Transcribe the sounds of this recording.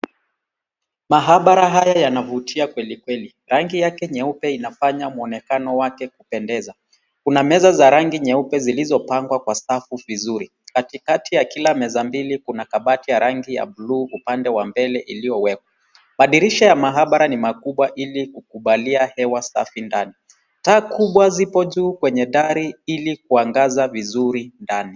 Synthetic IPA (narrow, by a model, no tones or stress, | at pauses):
maɦaɓaɾaɦajajanavutʰiakwɛlikwɛli | ɾaŋɡijakɛɲɛupɛinafaɲamuɔnɛkanɔwakɛkupɛndɛza | kunamɛzazaɾaŋɡiɲɛupɛzilizɔpaŋɡwakwastafuvizuɾi | katikatijakilamɛzambilikunakaɓatijaɾaŋɡija̰ɓluːupandɛwambɛlɛʔilijɔwɛkwa | maɗiɾiʃɔjamaɦaɓaɾanimakuɓwaʔilikukuɓaliahɛwasa̰findani | taːkuɓwazipɔʄuːkwɛɲɛɗaɾiilik̚uaŋɡazavizuɾindani